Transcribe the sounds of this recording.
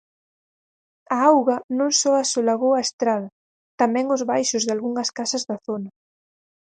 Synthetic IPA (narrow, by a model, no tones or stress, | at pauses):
ɐawɣɐnõŋsɔasolaɣowɐest̪ɾaðɐ | t̪amɛ̃ŋʊzβajʃʊzðalɣuŋɐskasɐzðɐθonɐ